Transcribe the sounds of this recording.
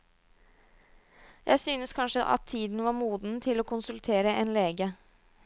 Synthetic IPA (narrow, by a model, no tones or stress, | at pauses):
jʔæ̰ɪsyːnəskʰɑnʂəʔɑ̰t̪ʰːiːd̪n̩ʋɑːɾmuːd̪n̩t̪ʰɪloːkʰʊnsʉlt̪ʰeːɾəʔɛnleːɡə